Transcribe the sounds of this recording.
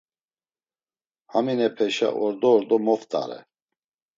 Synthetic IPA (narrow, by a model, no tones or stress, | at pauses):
haminɛpʰɛʃa̰ʔɔɾd̪ɔːɾd̪ɔmɔft̪ʼa̰ɾɛ̰